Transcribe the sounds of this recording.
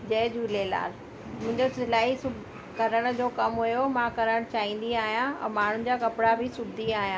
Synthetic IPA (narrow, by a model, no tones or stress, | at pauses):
d͡ʑɐːd͡ʑuːleːla̰ːl | mʊ̃ɦɪ̃ɲd͡ʑosɪlaːɦisʊb | kɐɾəɽ̃̆d͡ʑoːkɐmɦʊjomãkɐɾəɽ̃t͡ɕaːɦĩːn̆d̪iaːɦijãɛ̰̃ːmaːɳ̤ʊn̆d͡ʑaːkɐpɪɽabʱɪsʊdd̪ʱiaːɦijãː